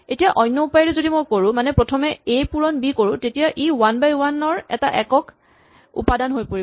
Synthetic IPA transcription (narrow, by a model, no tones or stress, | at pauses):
etijaʔɔjnːɔupajiɹɛzodimojkoɹʊ̃manɛpɹɔtʰɔmɛejpuɹɔnbikoɹʊ̃tetijaʔiwanbajwanɔɹɛ̰ta̰ʔɛkɔk | ṵpadanɦojpoɹi